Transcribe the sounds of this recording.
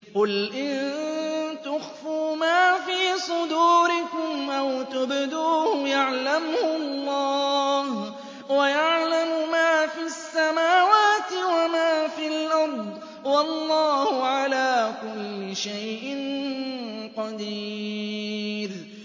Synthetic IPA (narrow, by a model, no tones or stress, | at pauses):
qʊlʔɪn | t̪ʊxfuːmaːfiːsˤʊd̪uːɾɪkʊmʔawt̪ʊbd̪uːhʊjaʕlamhʊɑlˤːɑːh | wajaʕlamʊmaːfiasːamaːwaːt̪ɪwamaːfiːalʔɑɾˤd̪ˤ | wɑlˤːɑːhʊʕalaːkʊlːɪʃajʔɪn | qɑd̪i | ɾ